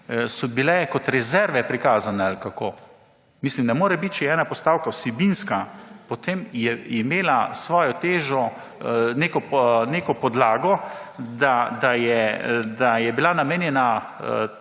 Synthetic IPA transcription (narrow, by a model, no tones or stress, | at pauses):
sɔbilɛkɔt̪ɾɛzɛɾʋɛpɾikaːzanɛalkako̰ː | mislimnɛmoːɾɛbit̪ʃɛɛːnapɔst̪aːwkawsɛbinskapɔt̪emjɛimeːlasʋɔːjɔt̪eːʒɔ | neːkɔneːkɔpɔd̪laːɡɔd̪ad̪ajɛd̪ajɛbilanameːnjɛna